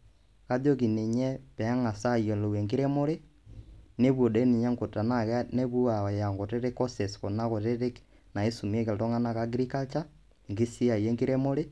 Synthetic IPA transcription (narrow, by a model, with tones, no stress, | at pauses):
ka˦ðo˦ki˨ne˨ɲɛ˦pɛ˨a˦ŋa˨sa˦˨jo˨lo˨we˨ŋɡe˦ɾe˦mo˦le˦ | ne˦βwo˨de˦ni˨ɲa˦ŋɡo˨ta˨na˨kne˦βwo˦a˨ja˨ŋɡo˨te˦ɾe˦ko˦se˨sko˨na˦ko˨te˦ɾe˦k | na˨e˦su˨m˦e˦ke˨lto˦ŋa˦na˦˨ka˨˦ɡɾi˦ka˦lta˦ | ŋɡi˦si˦a˨je˦ŋɡi˦ɾe˦mo˦ɾe˦